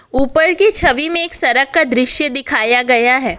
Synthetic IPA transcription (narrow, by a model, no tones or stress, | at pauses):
uːpəɾkit͡ʃʰɐʋimẽeːksɐɾəkːad̪ɾɪʃjəd̪ɪkʰaːjaɡɐjaɦɛː